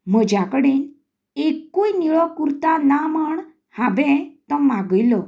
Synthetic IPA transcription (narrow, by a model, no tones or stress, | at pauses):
m̤əd͡ʑakəɽen | ekːujniɭɔkuɾt̪anaməɳ | habɛ̃t̪əmaɡəjlɔ